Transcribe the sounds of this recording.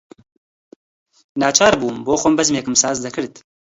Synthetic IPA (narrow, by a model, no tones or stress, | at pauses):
naːt͡ʃʰaːɾbuːmboːxʷɔmbɐzmeːkɨmsaːzd̪ɐkʰɨɾt̪